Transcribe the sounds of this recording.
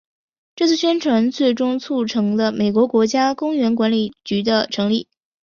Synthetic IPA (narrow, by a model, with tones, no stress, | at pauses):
ʈ͡ʂɤ˥˧t͡s̩ʰ˥˩ɕɥɛ˥nʈ͡ʂʰwa˧˥nt͡swe˥˩ɪʈ͡ʂʊ˥ŋt͡sʰu˥˩ʈ͡ʂʰɤ˧˥ŋd̪ə˧me˨˩ɪkwɔ˧˥kwɔ˧˥t͡ɕja˥kʊ˥ŋɥɛ˧˥nkwa˧˥nli˨˩t͡ɕy˧˥d̪ə˧ʈ͡ʂʰɤ˧˥ŋli˥˩